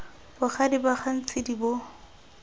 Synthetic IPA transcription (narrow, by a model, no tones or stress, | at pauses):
bʊχʰadibaχʰan̩t͡sʼɪdibo